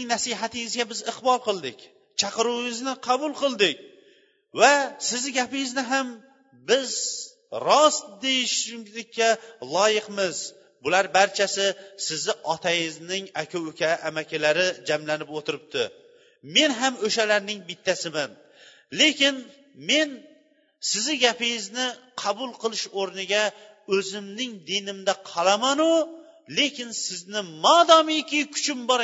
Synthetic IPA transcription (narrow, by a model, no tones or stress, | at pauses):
ŋnasɪɦat̪ʰɪŋɪzɡʲabɪzɪqbɒlˠqɨlˠd̪ɪkʲ | t͡ʃʰɑqɨɾuwɪŋɪznɪqʰɑbʊlˠqɨlˠd̪ɪkʲ | vasɪzɪɡʲapɪŋɪznɪɦam | bɪz | ɾɒsd̪e̞jɪʃɪmlɪkʲʰːalˠɒjɪqmɪz̥ | bʊlaɾbaɾt͡ʃʰasɪsɪzɪʔɒt̪ʰajɪznɪŋakʰʲʊʊkʲʰaʔːmakʲʰalaɾɪd͡ʒamlanɪpot̪ɪɾɪp̚t̪ʰɪ̰ | me̞nɦamɵʃalaɾnɪŋbɪt̪ʰːasɪman | le̞kʲɪn | me̞n | sɪzɪɡʲapɪɪznɪqʰɑbʊlˠqʰɨlˠɪʃoɾnɪɡʲa | ɵzɪmnɪŋd̪inɪmd̪aqʰɑlˠamanʊ | le̞kʲɪnsɪznɪmɒd̪ɒmɪjkʲɪkʲʰʊ̥t͡ʃʰɪmbɒɾ